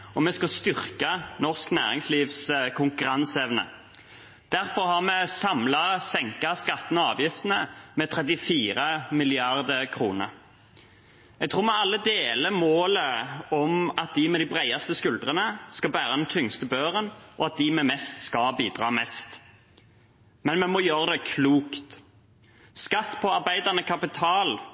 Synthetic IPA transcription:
ɔmɛskɑst̪ʏʁkɑnɔʁsknæːʁɪŋsliːʋskʰʊŋkʉɾɑnsɛʋnə̰ | d̪̥æʁfɔʁhɑʁmɛsɑmlɑsɛŋkɑskɑt̪ːnɑːʋjɪft̪ənəmɛːt̪ʰʁɛt̪ɪfiːɾəmɪlɪɑʁd̪əkʰʁuːnə̰ɾ | jɛɡ̚t̪ʰʁuːʁmɛɑlːəd̪eːləmoːləɔmɑt̪̚d̪ɪmɛd̪ɪbʁæɪɑst̪əskʉld̪ʁənəskɑbæːɾəd̪ɛnt̪ʰʏŋst̪əbøːʁənʔɔɑt̪̚d̪ɪmɛmɛst̪skɑbiːd̪ʁɑ̰ːmɛst̪ | mɛnmɛmɔjøːʁəd̪ɛkʰluːkt̪ | skɑt̪ːpʰɔɑʁbæɪd̪əʁnəkʰɑpɪt̪ʰɑːl

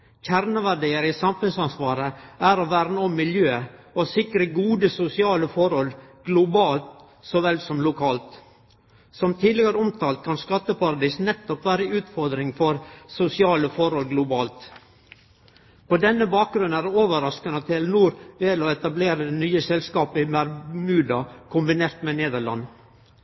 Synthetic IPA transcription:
çæɾnəʋæɖiːəɾɪsɑmfʉnsɑnsʋɑːɾəæɾoʋæːɾnəɔmːɪljøː | osɪkɾəɡuːd̪əsʊsɪɑːləfɔɾhɔlɡ̥lʊbɑːlt̪ | sɔʋɛlsɔmlʊkʰɑːlt̪ | sɔmt̪ʰiːd̪lɪɡəɾəʊmt̪ʰɑːlt̪̚kʰɑnskɑt̪ːəpɑɾɑd̪iːsnɛt̪ːɔpʋæːɾəʉːt̪fɔɾd̪ɾɪŋfɔɾsʊsɪɑːləfɔɾhɔlɡlʊbɑːlt̪ | pɔd̪ɛnːəbɑːk̚ɡɾʉnnæɾoːʋəɾɑskənət̪ʰɪlnuːɾʋɛlɔɛt̪ɑbleːɾəd̪ɛnyːəsɛlskɑːpəɪmæɾmʉːd̪ɑkʰʊmbɪneːɾt̪mɛneːd̪əɭɑ̰nː

